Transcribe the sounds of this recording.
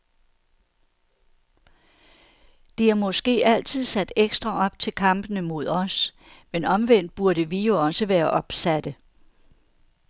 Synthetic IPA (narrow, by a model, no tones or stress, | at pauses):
d̥iæɐmɒ̽sɡ̥e̝̰ːæl̰t͡sʰið̞̰ˠsæd̥eɡ̥sd̥ʁɐʔɒ̽b̥̚t͡sʰe̝lkʰɑ̈m̰b̥ənəmo̝ð̞ˠɒ̽s | menɒ̽mʋen̰d̥̚b̥uɐɾəʋijo̝ɒ̽səʋæːɐʔɒ̽b̥sæd̥ə